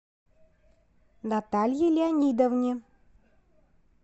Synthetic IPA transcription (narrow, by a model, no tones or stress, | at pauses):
nat̪alʲjilʲianʲid̪ovnʲi